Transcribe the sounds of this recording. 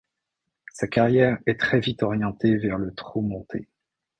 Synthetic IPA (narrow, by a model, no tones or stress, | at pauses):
sakaʁjɛʁɛt̪χɛvit̪ɔʁjɑ̃t̪evɛʁlət̪χumɔ̃t̪ʰe